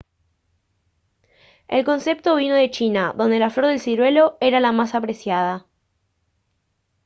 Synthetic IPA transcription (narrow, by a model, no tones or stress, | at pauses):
elko̞nse̞p̚t̪o̞β̞ino̞ðe̞t͡ʃinaðond̪e̞lafloɾðe̞lsiɾwe̞lo̞eɾalamasapɾe̞sjað̞a